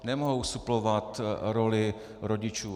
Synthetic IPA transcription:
nɛmoɦowsuplovat̪ɾolɪ | ɾoɟɪt͡ʃuː

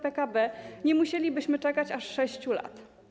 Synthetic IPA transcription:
pɛkabɛɲɛmuɕelʲibɘɕmɘt͡ʂɛkat͡ɕaʂːɛɕt͡ɕula̰t̪

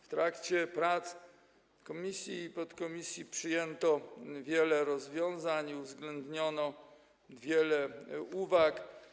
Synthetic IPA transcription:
ft̪ɾakt͡ɕɛpɾat̪s | kɔmʲisʲjipɔt̪kɔmʲisʲjipʂɘjɛnt̪ɔvʲjɛlɛɾɔzvʲjɔ̃w̃zaɲiuvzɡlɛnd̪ɲɔnɔ | vʲjɛlɛuvak

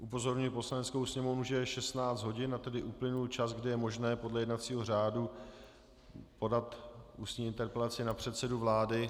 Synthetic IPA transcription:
ʔupo̞zo̞ɾɲɪlpo̞slanɛt͡skowsɲɛmo̞vnuʒɛɛʃɛst̪naːt͡sd͡zd̪ɦo̞ɟɪnat̪ɛdɪʔuplɪnult͡ʃazɡdɪjɛmo̞ʒnɛːpo̞dlɛjɛdnat̪t͡siːɦo̞r̝aːdu | po̞dat̪ʔuːst̪ɲiːɪnt̪ɛɾpɛlat͡sɪnapr̝̥ɛt̪sɛduvlaːdɪ

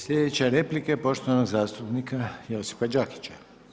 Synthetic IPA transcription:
sʎʲed̪et͡ɕeɾeplikepo̞ʃt̪oanoɡzaːst̪upnikʰajeosi̥fad͡ʒaki̥t͡ɕa

